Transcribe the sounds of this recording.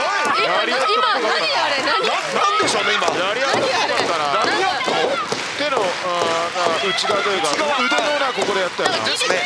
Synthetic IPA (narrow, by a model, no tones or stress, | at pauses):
a | jaɾʲijat̪ːeot̪okakanãnãnd̪eɕonejaɾʲijat̪ːokot̪okakaɾaaia | t̪e̞nõ | naɯ̟t͡ɕiɡat̪ojɯ̟kaɯ̟d̪ojonako̞ko̞d̪e̞jat̪eːajoa̰